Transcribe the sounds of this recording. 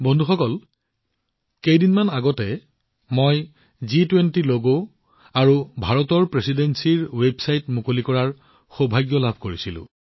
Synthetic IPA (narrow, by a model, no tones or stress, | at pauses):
bondʱuxɔkɔl | kejdinmanaɡɔtɛ | moj | zitwentiloɡo | aɹubʱaɹɔtɔɹpɹesidensiɹwebʱsajtmukolikɔɹaɹ | xobʱajɡjɔlabʱkoɹisilʊ̰̃